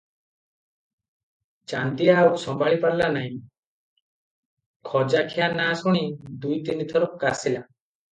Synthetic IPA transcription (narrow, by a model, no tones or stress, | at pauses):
t͡ʃant̪iaːwsɔmbaɭipaɾlanaɦĩ | kʰɔd͡ʒakʰijanasɔɽ̃id̪ujt̪init̪ʰɔɾɔkasila